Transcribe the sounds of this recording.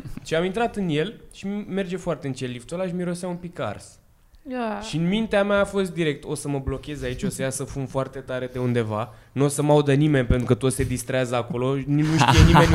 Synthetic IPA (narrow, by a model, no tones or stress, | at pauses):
t͡ʃiamint̪ɾat̪ɨnje̞lʃime̞rd͡ʒe̞foart̪e̞ɨnt͡ʃelːift̪olaʃmiɾo̞sejaunpika̰rs | ʃiɨnmint̪eamaːfo̞st̪̚d̪iɾe̞k̚t̪o̞səməblo̞kʲe̞zait͡ʃʲo̞səjasəfumfoart̪e̞t̪aɾe̞d̪e̞und̪e̞vanuo̞səmaud̪ənime̞nʲpe̞nt̪ɾukət̪ot̪se̞d̪ist̪ɾeazəako̞lo̞nnuʃt̪ijenimenʲ